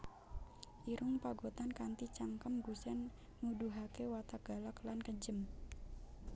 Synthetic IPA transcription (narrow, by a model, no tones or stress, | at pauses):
ʔiɾʊŋpaɡot̪ankant̪it͡ʃaŋkəmɡusɛn | muduɦakewat̪aɡ̥a̤laklankəɲd͡ʒəm